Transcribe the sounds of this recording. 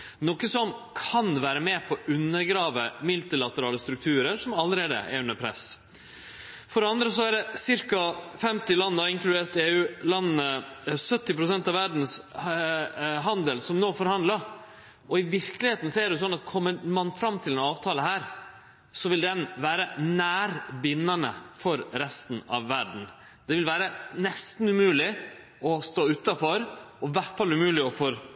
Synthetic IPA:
nɔkːəsɔmkʰɑnʋæːɾəmeːpʰɔʔʉnːəɾɡɾɑːʋəmɪlt̪ɪlɑt̪əɾɑːləst̪ɾʉk̚t̪ʰʉːɾəɾʂɔmɑlːəɾeːd̪ə̰ʔɛ̰ɾʉnəɾpʰɾɛ̰s | fɔɖɛɑnd̪ɾəsɔæɖɛsɪɾkɑfɛmt̪ɪlɑnːəɑɪŋklʉd̪eːɾt̪eːʉːlɑnːənəsœt̪ːɪpɾʊsɛnt̪ɑʋæɖn̩s | ɦɑnd̪əlsɔmnoːfɔɾhɑnd̪lɑ | ʔɔɪʋɪɾklɪheːt̪n̩sɔɛːɖɛs̬ɔnːɑt̪kʰɔmːəmɑnfɾɑmːt̪ʰɪlɛnɑːʋt̪ʰɑːləɦæːɾ | sɔʋɪld̪ɛnʋæːɾənæːɾbɪnːɑnə̰fɔɾɾɛst̪n̩ɑ̰ʋːæɖɳ̩ | d̪̥ɛʋɪlʋæːɾənɛst̪n̩ʉmʉːlɪ | ɔst̪oːʉt̪ːɑfɔɾɔʋæʈfɑlʉmʉːlɪɔfɔɾ

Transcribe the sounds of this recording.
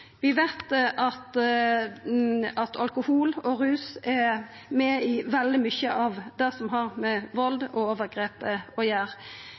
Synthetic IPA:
ʋɪʋæɪt̪ʔɑt̪ | ɑt̪ʰɑlkʊhuːlɔɾʉːsɛ | mɛɪʋɛld̪ɪmʏçəʔɑʋd̪ɛsɔmɦɑʁmɛʋɔld̪ɔoːʋəʁɡɾeːpəɔjæːʁ

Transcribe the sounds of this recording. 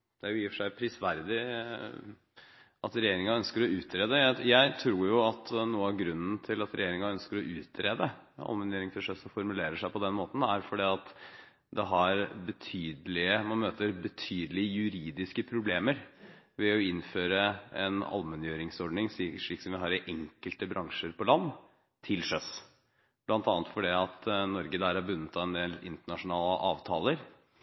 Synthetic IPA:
d̪̥ɛæɾjʊjifʂæɪpʰɾɪsʋæɾd̪ɪ | ɑt̪ɾɛjeːɾɪŋɑœnskəɾɔʉːt̪ʰɾeːd̪əjæɪjæɪt̪ʰɾuːɾjʊɑt̪nuːəɑʋɡɾʉnːən̩t̪ʰɪlɑt̪ɾɛ̰jeːɾɪŋɑœnskəɾɔʔʉːt̪ɾeːd̪əɑ̰lmɛnjøːɾɪŋfəʂœsɔfɔɾmʉleːɾəʂæɪpɔd̪ɛnmoːt̪n̩æɾfɔɖiːɑt̪ | d̪ɛɦɑɾbət̪ʰyːd̪əlɪəmɑnmøːt̪əɾbət̪ʰyːd̪əlɪjʉɾiːd̪ɪskəpʰɾʊbleːməɾ | ʋɛɔɪnføːɾəɛ̰nɑ̰lmɛnjøːɾɪŋsɔɾɖnɪŋʂʂɭiːksɔmʋɪɦɑːɾʔɛŋkəlt̪əbɾɑŋʂəɾpʰɔlɑnː | t̪ʰɪlʂœs | b̥lɑnt̪ɑːnət̪fɔɖiɑt̪nɔɾɡəd̪æːɾæɾbʉnːət̪ʰɑɛnd̪eːlɪnt̪əɳɑʂʊnɑːləʔɑːʋt̪ʰɑːləɾ

